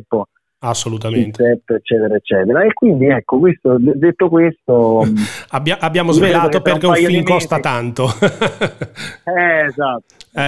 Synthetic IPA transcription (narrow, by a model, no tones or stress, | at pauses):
pːo | asːolut̪̬amnt̪ɛt̪ːet͡ʃːɛːt̪eɾaet͡ʃːɛːt̪eɾaekːwind̪iɛkːok̬west̪od̪d̪et̪ːokwest̪o | abjaʔabːjaːmozvelaːt̪operkeũffilmkɔst̪at̪ant̪o | ɛzat̪ːɛ